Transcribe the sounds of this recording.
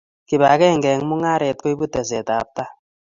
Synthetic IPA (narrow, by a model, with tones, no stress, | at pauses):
ki˨ba˨kɛ˦˨ŋɡɛ˨ŋmu˦ŋa˦ɾe˨t̚ko˦i˦bu˦tɛ˨s̬ɛ˨ta˨p̚ta˦